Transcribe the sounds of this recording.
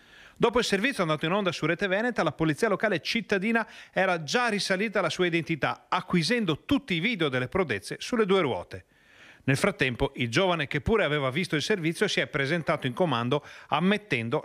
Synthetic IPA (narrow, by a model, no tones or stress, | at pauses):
d̪ɔːpoilservit̪sjoand̪at̪oinond̪asuɾɛːt̪evɛnet̪alapolit̪ːiːalokaːlet͡ʃit̪ːad̪iːnaɛːɾad͡ʒarisaliːt̪aalasuːaid̪ent̪it̪aakːwizɛnd̪ot̪ut̪ːiːviːd̪eod̪elːepɾod̪et̪sːesulːed̪uːeɾwɔ̰ːt̪e | nelfɾat̪ːɛmpoʔild͡ʒoːvanek̟epːuːɾeavɛːvavist̪oilservit̪sːjosiɛpːɾezent̪aːt̪oiŋkomand̪oamːet̪ːɛnd̪o